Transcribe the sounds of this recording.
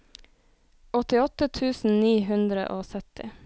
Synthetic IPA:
ɔt̪ɪɔt̪ət̪ʰʉːsn̩niːɦʉnd̪ɾə̰ʔoːsœt̪ɪ̰

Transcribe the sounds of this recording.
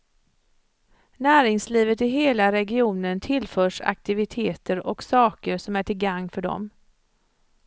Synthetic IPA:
næːɾɪŋsliːvət̪ɪɦeːlaɾɛɡɪuːnənt̪ʰɪlfœːʂa̰k̚t̪ɪvɪt̪ʰeːt̪ʰəɾɔksɑːkəɾʂɔmæʈʰɪlɡaŋːfœɖɔ̰m

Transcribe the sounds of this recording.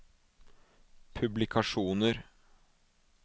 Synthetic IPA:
pʰʉblɪkʰɑʂuːnəɾ

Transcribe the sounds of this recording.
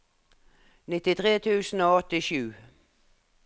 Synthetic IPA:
nɪt̪ɪt̪ʰʁeːt̪ʰʉːsn̩oːɔt̪ɪʃʉː

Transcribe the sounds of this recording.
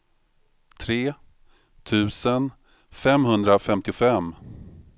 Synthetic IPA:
t̪ʰɾeː | t̪ʰʉ̟ːsən | fɛmɦɵnd̪ɾafɛmt̪ɪʊfɛmː

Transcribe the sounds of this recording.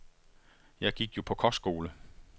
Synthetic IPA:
jɑ̈ɪɡ̥iɡ̥jo̝pʰɒ̽kʰɒ̽sɡ̥o̝ːlə

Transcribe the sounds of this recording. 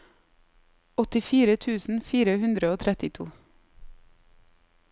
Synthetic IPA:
ɔt̪ɪfiːɾət̪ʰʉːsn̩fiːɾəhʉnd̪ɾəoːt̪ʰɾɛt̪ɪt̪ʰṵː

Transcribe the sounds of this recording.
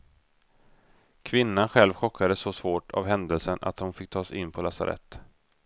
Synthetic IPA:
kʰvɪnːanɧɛlvɧɔkʰːad̪əsɔsvoːʈʰa̰vɦɛnd̪əlsənʔa̰t̪hʊnfɪk̚ːt̪ʰɑːsɪnːpʰɔlasa̰ɾʔɛ̰t̪ː

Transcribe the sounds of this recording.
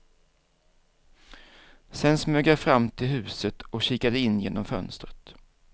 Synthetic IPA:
sɛnsmøːɡjafɾamːt̪ʰɪlɦʉ̟ːsət̪ɔkɕiːkad̪əɪnːjeːnɔmfœ̰nst̪ɾət̪

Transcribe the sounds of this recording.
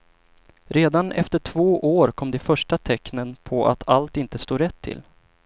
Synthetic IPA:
ɾeːd̪anɛft̪əʈʰv̥oːʔoːɾkʰɔmd̪ɛfœʂʈat̪ʰɛknənpʰɔʔa̰t̪ʰalt̪ɪnt̪əst̪oːɾɛt̪ʰːɪ̰l

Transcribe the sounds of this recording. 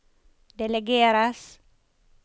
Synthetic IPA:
d̪ɛlɛɡeːɾas

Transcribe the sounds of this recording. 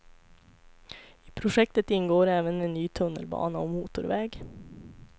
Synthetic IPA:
iːpʰɾʊʃɛk̚t̪ət̪ɪŋɡoːɾæːʋəneːnnyːt̪ʰʊnə̰lbɑ̰ːnəoːmuːt̪ʊɾʋɛːɡ

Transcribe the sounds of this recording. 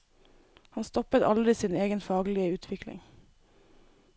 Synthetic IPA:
hɑnst̪ɔpət̪ɑ̰ld̪ɾɪsiːneːɡənfɑːɡəlɪəʉːt̪ʰʋɪklɪ̰ŋ

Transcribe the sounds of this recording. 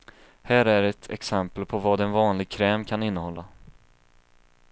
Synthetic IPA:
hæːɾæɾɛt̪ʰɛksɛmpəlpʰɔvɑːd̪ɛnvɑːnlɪɡ̚kʰɾɛːmkʰanɪnːəhɔlːa

